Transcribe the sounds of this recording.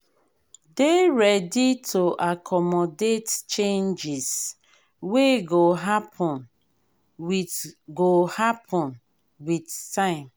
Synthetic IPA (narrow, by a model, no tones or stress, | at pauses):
deɹɛditʰoʔakʰɔmɔdett͡ʃẽnd͡ʒis | weɡoɦapʰɔ̃n | wiɡohapʰɔ̃n | widtãɪ̃m